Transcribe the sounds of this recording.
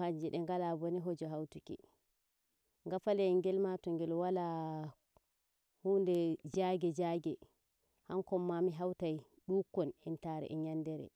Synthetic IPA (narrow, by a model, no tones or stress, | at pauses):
haɲd͡ʒɛɗɛŋɡalabɔniɦɔd͡ʒɔɦawtukḭ | ŋɡafalɛŋɡɛlmatɔŋɡɛlwala | hundɛd͡ʒaɡɛd͡ʒaɡɛ | haŋkɔmːamiɦawtaj | ɗukːɔnɛntaɾɛ̰ʔɛɲandɛɾɛ̰